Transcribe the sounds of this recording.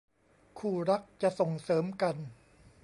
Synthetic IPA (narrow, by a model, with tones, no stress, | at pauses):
kʰuː˨˩ɾa˦˥k̚t͡ɕa˨so˨˩ŋsɤː˩˦mka˧n